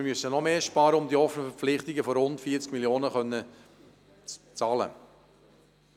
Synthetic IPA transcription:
ɪmysənɔmeːʃpɑːɾəʊmdiɔfənəfɛɾp͡flɪχtɪɡəfɔɾʊntfiːət͡skmiljoːnəχœnːə | t͡s | t͡sɑːlə̰

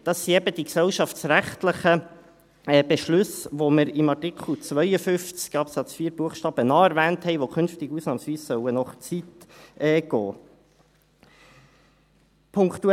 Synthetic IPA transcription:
d̥ɑsːiɛbəd̥iksɛwʃɑftsɾæχt̪ləχə | b̥eʃlʉsʋoməɾɪmɑrtɪkʰl̩t͡svœjəfʏft͡skɑpsɑt͡sfiːɾbuəχʃtɑːb̥ənɑːæɾvæːnthɛɪʋokʰʏnftɪɡusnɑːmsʋiːssœwənɔχt͡sitɛːɡ̥ɔ̰ː | pʰʊŋkt̪u

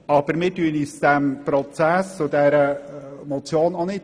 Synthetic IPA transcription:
ɑb̥əɾmɪːɾtyənisd̥ɛmpɾɔt͡sæst͡sʊdɛɾəmɔt͡sjoːnonɪt

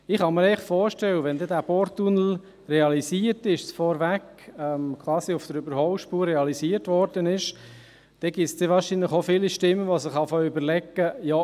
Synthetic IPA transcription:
ɪχɑməɾɛɪχfɔːɾʃtɛwəʋɛndɛdæːbɔɾtːunl̩ | reɑlisiːəɾtɪʃsfɔɾvæk | ɛmkʰvɑːsiʊfd̥əɾybəɾhɔwʃpuːrːɛɑlisiːəɾtvɔɾd̥ənɪʃ | d̥ɛɡ̥ɪsd̥̪eʋɑːɾʃinləχofiːliʃtɪmːəʋosɪχɑfɔʏbəɾlɛkːəjɔ

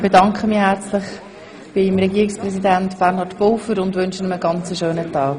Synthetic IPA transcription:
b̥edɑŋkχəmihæɾt͡slɪχ | b̥ɪmɾɛɡiːɪksprɛsidæntb̥ɛɾnhɑːdb̥olfəɾʊndʋʏnʃənəməɡɑnt͡səʃøːnətɑːk

